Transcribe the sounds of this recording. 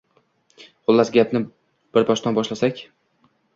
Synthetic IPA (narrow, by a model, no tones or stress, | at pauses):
qʊlˠːasɡʲapnɪ | b̥ɪɾbɒʃt̪anbɒʃlasakʲ